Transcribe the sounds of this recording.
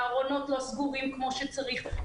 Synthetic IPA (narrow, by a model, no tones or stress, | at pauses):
aʁo̞no̞tlosɡuʁimkmo̞ʃet͡saʁiχ